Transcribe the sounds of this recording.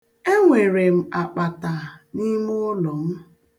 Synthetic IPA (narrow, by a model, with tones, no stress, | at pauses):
e˦ŋʷe˨ɾe˨m̩˨a˨k͡pa˨ta˨ni˦mʊ˦ʊ˦lɔ˨m̩˦